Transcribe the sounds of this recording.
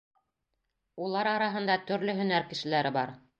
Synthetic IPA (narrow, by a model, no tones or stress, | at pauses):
ulˠɑɾɑɾɑɦɤ̆nd̪ɑt̪ɵ̆ɾlɵɦɵ̆næɾkɘ̆ʃɘ̆læɾɘbɑ̰ɾ